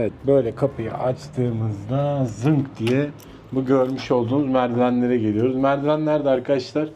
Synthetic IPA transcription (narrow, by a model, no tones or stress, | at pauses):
evɛt̪̚bø̞jlʲɛkʰapʰɯja̰ʔat͡ʃt̪ʰɯːmɯzd̪azɯŋkd̪ijɛ | buɟø̞ɾmyʃo̞lˠd̪uːnuzmæɾd̪iɾænlʲe̞ɾɛɟelijo̞ɾuzmæɾd̪ilænlʲæɾd̪ɛaɾkʰad̪aʃlˠaɾ̥